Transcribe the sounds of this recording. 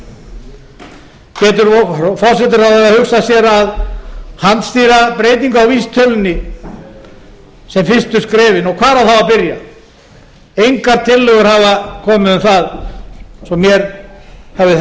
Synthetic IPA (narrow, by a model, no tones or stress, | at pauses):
cɛːt̪ʏɾɔfɔɾ̥sɛt̪̬ʏɾhaðaaðhʏksasjɛɾaːðhant̪st̪iːɾapɾeːjt̪̬iŋkawvist̪ʰœlnɪ | sɛmfɪst̪ʏ̥skɾɛːvɪnɔɣkʰvaːɾaðhawvapɪɾja | ejŋkaɾt̪ʰɪlːœɣʏɾhavakʰɔːmɪðʏmθað | sɔmjɛɾhaːvɪ